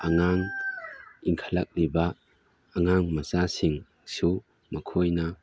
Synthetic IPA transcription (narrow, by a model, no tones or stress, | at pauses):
aŋaŋ | iŋkʰalak̚libɐː | ŋaŋmɐsasiŋ | su | mɐkʰojnɐ